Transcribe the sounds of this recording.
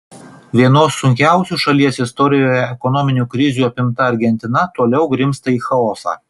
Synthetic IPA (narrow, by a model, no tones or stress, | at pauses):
ʋʲiɛnoːsːʊŋʲkʲæˑʊsʲuːʃɐlʲiɛsɪst̪ɔɾʲɪjoːjɛɛkɔnɔmʲɪnʲuːkɾʲɪzʲuːɐpʲɪmt̪ɐɐɾʲɡʲɛnʲt̪ʲɪnɐt̪uɔlʲɛʊɡɾʲɪmst̪ɐiːxɐɔːsɑ̰ː